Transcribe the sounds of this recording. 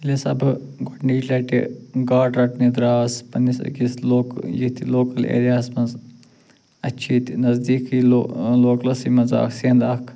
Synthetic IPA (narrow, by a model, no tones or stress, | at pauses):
lisɐbɡoʈɳɖiːd͡ʒlɐʈḭɡaːɖɾɐʈnid̪ɾaːspɐnisɐ̰ɡisloːkjit̪iloːkɐlḛːɾijaːsmɐnz | ɐt͡ʃʰiːt̪nɐzd̪iːkioloːklɐsimɐnza̰ːkʰsind̪aːkʰ